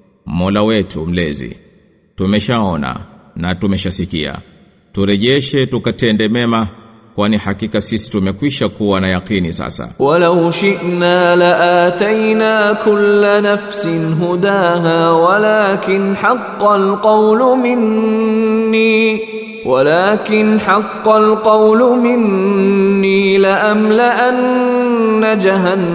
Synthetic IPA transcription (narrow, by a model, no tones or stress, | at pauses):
mɔlawɛtʰṵm̩lɛzḭ | tumɛʃaɔna̰natumɛʃasikia̰ | tuɾɛʄɛʃɛtukatɛndɛmɛma | kwanihakikasisi̥tumɛkwiʃakuwanajaqinisa̰sa̰walawʃɪʔnaːlaʔaːt̪ajnaːkʊlːanafsɪnɦʊd̪aːɦaːwalaːkɪnħɑqːɑlqɑwlmɪnː | iː | walaːkɪnħɑqːɑlqɑwlʊmɪnː | iːlaʔamlaʔanː | ad͡ʒaɦanː